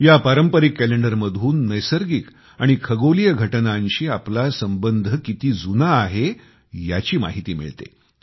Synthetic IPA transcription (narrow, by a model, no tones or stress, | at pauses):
japaɾəmpəɾikːæleɳɖəɾməd̪ʱuːnːəjsəɾɡiːk | aɽ̃ikʰəɡolijəɡʱəʈnanɕiːaplasəmbənd̪ʱəkit̪iːd͡zunaːɦe | ja̰t͡ɕiːma̰ɦit̪iːmḭɭt̪ḛ